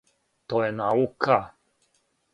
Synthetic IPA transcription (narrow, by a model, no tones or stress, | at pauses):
t̪oɛnaukʰa